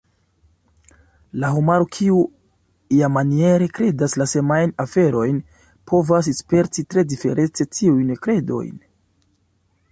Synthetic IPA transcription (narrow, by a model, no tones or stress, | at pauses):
laɦumaɾokʰiu | ijamanie̞ɾe̞kɾe̞daslasemajnafe̞ɾo̞jn | pʰo̞vas̬espe̞ɾtitɾe̞dife̞̰ɾʔe̞t͡se̞tʰiujnkɾe̞do̞̰jn